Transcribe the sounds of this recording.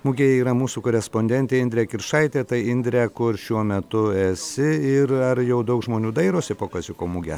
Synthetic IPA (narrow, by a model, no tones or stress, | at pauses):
mʊɡʲeːjɛiːɾɐmuːsuːkoːɾʲɛspoːnʲd̪ʲɛnʲt̪ʲeːɪnʲd̪ʲɾʲɛːkʲɪrʃɐɪt̪ʲeːt̪ɐɪɪnʲd̪ʲɾʲæːkʊrʃʲuɔmʲɛt̪ʊɛsʲɪɪɾɐɾjɛʊd̪ɐʊkʒmoːnʲuːd̪ɐɪɾoːsʲɪpoːkɐsjɪkoːmʊɡʲɛ